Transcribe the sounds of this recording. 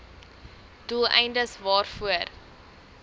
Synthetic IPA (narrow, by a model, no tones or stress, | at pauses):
d̥ulˠɛ̰jndəsvɑːrfuər